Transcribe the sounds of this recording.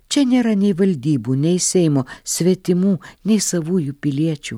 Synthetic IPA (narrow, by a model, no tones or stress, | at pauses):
t͡ʃʲɛnʲeːɾɐnʲɛɪʋɐlʲd̪ʲiːbuːnʲɛɪsʲɛɪmoːsʲʋʲiɛt̪ʲɪmuːnʲɛɪsɐʋuːjuːpʲɪlʲiɛt͡ʃʲuː